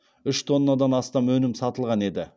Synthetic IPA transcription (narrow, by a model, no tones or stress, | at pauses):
ʏʃt̪ʰo̞nːɑd̪ɑnɑst̪ɑmwɵnɪmsɑt̪əlˠʁɑne̞d̪ɪ